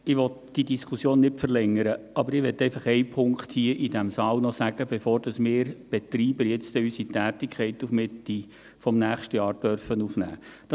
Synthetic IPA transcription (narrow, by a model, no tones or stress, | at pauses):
ɪʋɔt̪d̥idiskʰusjoːnːɪtfərlɛŋːəɾə | ɑbəɾɪʋɛtɛɪfɑχɛɪpʰʊŋkχt̪hiəʔidæmsɑːlnɔsæɡ̥əbefɔːɾd̥ɑsmɪːɾb̥et̪ɾiːbəɾjɛt͡st̪ɛysitæːt̪ikʰχɛɪtufmɪti | fɔmnæːχʃtəjɑːɾd̥œɾfənufnæ̰ːd̥ɑ